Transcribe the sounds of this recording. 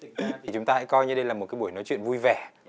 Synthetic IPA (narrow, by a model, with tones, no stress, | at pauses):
i˨˩t͡ɕʊ˨˦ŋ͡mt̪aː˧ha̰˧˥jkɔ˧jɲɨ˧ɗə˧jlaː˨˩mo˨˩t̚kaː˨˦ɓu˧˩əjnɔ˨˦jt͡ɕwḭ˧˨ənvu˧jvɛ˨˩